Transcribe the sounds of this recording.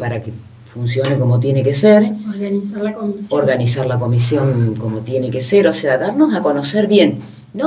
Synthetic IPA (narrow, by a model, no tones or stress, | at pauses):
paɾake | funsjo̞neko̞mot̪je̞nekeseɾɾanisaosoɾɣanisaɾlako̞misjo̞ŋko̞mot̪jeneke̞se̞ɾo̞seaðaɾno̞sako̞no̞se̞ɾβje̞nː | o